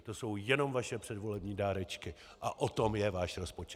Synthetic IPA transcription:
t̪o̞so̞wjɛno̞mvaʃɛpr̥ɛdvo̞lɛbɲiːdaːɾɛt͡ʃkɪ | ʔaʔot̪o̞mjɛvaːʃɾo̞spo̞t͡ʃɛ

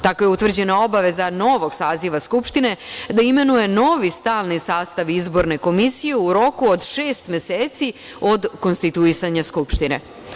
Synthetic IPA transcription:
t̪ako̞jeut̪ʋr̩d͡ʑe̞nao̞baʋe̞zano̞ʋo̞ɡ̥saːziʋaskupʃt̪ine̞d̪aime̞nuje̞no̞ʋist̪aːlnisaːst̪aʋizbo̞ɾne̞ko̞misijeuɾo̞kuod̪ʃeːst̪mjeseːt̪si | o̞d̪ko̞nst̪it̪uisaɲaskupʃt̪inḛ

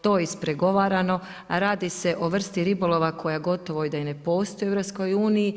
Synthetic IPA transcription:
t̪o̞ːispɾeɡo̞ʋaɾano̞ | ɾaːd̪ise̞ʔo̞ʋr̩st̪iɾibolˠo̞ʋakʰo̞jaɡo̞t̪oʋo̞id̪ajene̞po̞ːst̪ojeeʋɾopsko̞juːniji

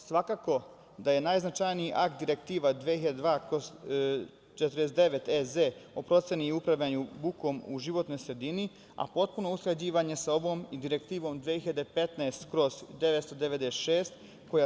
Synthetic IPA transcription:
sʋakaːko̞ | d̪aje̞najznat͡ʃajniiʔakt̪̚d̪iɾekt̪iːʋad̪ʋeiʎad̪ed̪ʋaːkoz | t͡ʃet̪ɾesd̪eʋe̞t̪ezeopɾo̞t̪se̞niupɾaʋʎaɲubuko̞muʒiʋo̞t̪no̞jsɾe̞d̪ini | a̰po̞t̪̚puno̞uskled͡ʑiːʋaɲe̞sao̞ʋo̞ːmid̪iɾe̞kt̪iːʋo̞md̪ʋehiʎad̪epe̞t̪neest̪kɾo̞zd̪eʋet̪st̪o̞d̪eʋed̪est̪ʃeːst̪ | ko̞ja

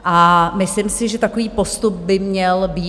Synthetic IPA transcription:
ʔamɪslɪmsɪʒɛt̪ako̞viːpo̞st̪up̚bɪmɲɛlbiː

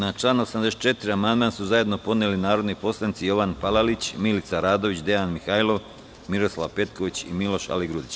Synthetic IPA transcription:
nat͡ʃlˠaːnosamd̪e̞set̪t͡ʃe̞t̪iɾiamand̪mansuzaje̞d̪no̞po̞d̪nelinaːɾo̞d̪nipo̞slˠanit̪sijo̞ʋanpalalit͡ɕmilit̪saɾaːd̪o̞ʋit͡ɕd̪e̞anmixajlˠo̞ʋ | miɾo̞slˠaʋpe̞t̪koʋit͡ɕimilo̞ʃa̰liɡɾud̪it͡ɕ

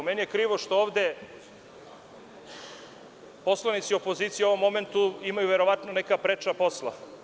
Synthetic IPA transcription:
menijekɾiːʋo̞ʃt̪ooːʋd̪e̞ | po̞slˠanit̪sio̞po̞ziːt̪sijo̞ʋo̞mːo̞ment̪uimajuʋeɾo̞ʋat̪nonekapɾet͡ʃapo̞slˠa̰

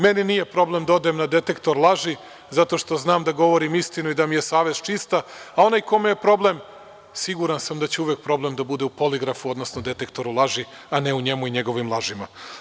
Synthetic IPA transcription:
me̞ninije̞pɾo̞blemd̪od̪emnad̪e̞t̪e̞kt̪o̞ɾlˠaʒi | zat̪o̞ʃt̪o̞znaːmd̪aɡo̞ʋo̞ɾimist̪inuid̪amije̞saːʋe̞z̥t͡ʃist̪aao̞najko̞meje̞pɾo̞ble̞m | siɡuɾansamd̪at͡ɕeuʋek̚pɾo̞ble̞md̪abud̪e̞upo̞liɡɾafuo̞d̪nosnod̪e̞t̪e̞kt̪o̞ɾulˠaʒi | ane̞uɲe̞muiɲe̞ɡo̞ʋimlˠaʒima

